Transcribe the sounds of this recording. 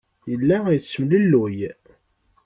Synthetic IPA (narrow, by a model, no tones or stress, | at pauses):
jəlːæjsːəmləlːuj